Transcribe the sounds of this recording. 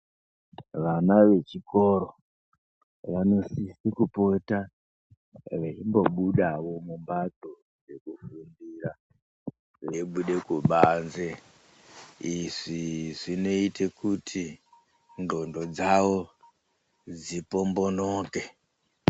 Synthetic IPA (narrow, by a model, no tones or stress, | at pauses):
ʋanaʋe̞t͡ʃiko̞ɾo̞ | ʋano̞sisikupota | ʋeimbo̞ɓuɗawo̞mumbato | d͡ze̞kufundiːɾa | ʐeiɓuɗe̞kuɓanze | iʐiʐino̞itʰe̞kʰutʰi | ndo̞ndo̞d͡zawo̞ | d͡zipo̞mbo̞noːke̞